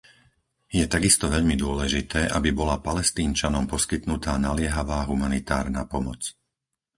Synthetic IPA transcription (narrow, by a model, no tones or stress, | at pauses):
jɛt̪aɡist̪ɔʋɛʎmid̪ʊɔlɛʒit̪ɛːʔabibɔlapalɛst̪iːnt͡ʃanɔmpɔskit̪nut̪aːnalɪɛɦaʋaːɦumanit̪aːɾna̰ːpɔmɔt͡s